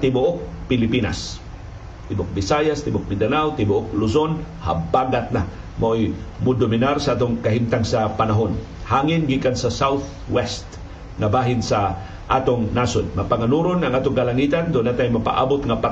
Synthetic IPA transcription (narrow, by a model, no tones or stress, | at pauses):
t̪ɪbʊʔok̚pɪlɪpina̰s | t̪ɪbʊk̚bɪsajast̪ɪbʊk̚mɪd̪anawt̪ɪbʊʔok̚lʊsonha̰baɡat̪̚na | maʔojmʊd̪ʊmɪnaɾsaʔaːt̪ʊŋkaɦimt̪aŋsapanaɦon | haːŋɪnɡikansasawθ | wɛst̪ | ŋabaːɦɪnsa | ʔaːt̪oŋnasodmapaŋanuɾonaŋʔaːt̪ʊŋkalaŋit̪and̪ʊʔnat̪ajmapa̰ʔa̰ːbot̪ŋapa